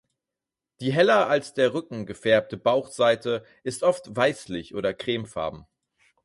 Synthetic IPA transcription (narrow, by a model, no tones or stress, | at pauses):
d̥iːɦɛlɐʔalsd̥eːɐʁʏkŋ̩ɡəfɛɐp̚təbaʊχz̥aɪtə | ʔɪstʔɔftvaɪslɪçʔoːɾɐkʁ̥eːmfa̰ɐbm̩